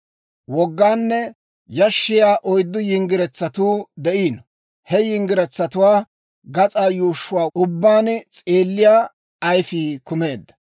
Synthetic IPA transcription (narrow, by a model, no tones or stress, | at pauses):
wɔɡːaːnːɛ | jɐʃːɪjaːʔɔjd̪ːʊjɪŋɡɪɾɛt͡sːɐt̪uːd̪ɛʔiːnɔ | hɛjɪŋɡɪɾɛt͡sːɐt̪ʊwaː | ɡɐt͡sʼaːjuːʃːʊwaːʊbːaːnt͡sʼeːlːɪjaː | ɐjfiːkʊme̞ːd̪ːɐ̥